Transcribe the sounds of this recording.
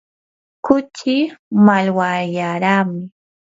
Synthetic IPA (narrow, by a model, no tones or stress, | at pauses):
kʊt͡ʃɪmalwajaɾaːmɪ